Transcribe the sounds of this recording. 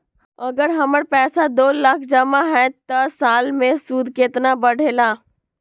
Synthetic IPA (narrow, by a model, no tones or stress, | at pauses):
ɐɡəɾɦəməɽpɛːsad̪oːlakʰd͡ʒəmaɦɛ̃t̪əsaːlmẽsuːd̪ʱkeːt̪nabəɽ̤ʱeːlaː